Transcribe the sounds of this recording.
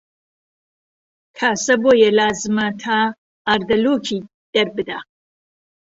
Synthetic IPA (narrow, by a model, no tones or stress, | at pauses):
kʰaːsɐboːjɛlaːzɨmɐt̪ʰaː | ɾd̪ɐluːkʰiː | d̪̥ɐɾbɨd̪aː